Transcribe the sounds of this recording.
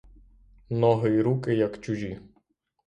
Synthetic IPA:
nɔɦɔiɾukɪjɐkt͡ʃʊʒʲi

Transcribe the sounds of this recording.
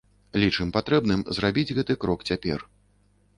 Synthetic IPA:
lʲit͡ʂɨmpat̪ɾɛbnɨmzrabʲid͡zʲɣɛt̪ɨkɾɔkt͡sʲapʲɛ̰r

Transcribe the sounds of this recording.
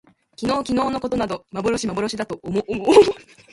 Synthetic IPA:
kʲino̞ːkʲino̞ːno̞ko̞t̪o̞nad̪o̞maboɾo̞ɕimaboɾo̞ɕid̪at̪o̞omo

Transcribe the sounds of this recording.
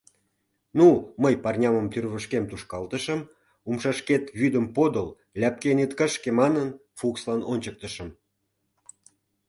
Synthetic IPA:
numəjpɑrnʲɑməmt̪yrβəʃkemt̪uʃkɑlt̪əʃəm | umʃɑʃket̪βyd̪əmpod̪əl | lʲæp̚kenit̪kəʃkemɑnənfukslɑnonʲt͡ɕək̚t̪əʃə̆m

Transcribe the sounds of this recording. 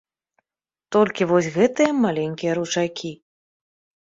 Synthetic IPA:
t̪ɔlʲkʲivɔsʲɣɛt̪ɨjɐmalʲɛnʲkʲijɐɾut͡ʂakʲi

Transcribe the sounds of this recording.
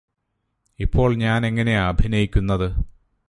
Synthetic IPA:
ipːo̞ːɭɲaːne̞ŋːɐne̞ɐbʱinɐjikʲːunːɐðɨ

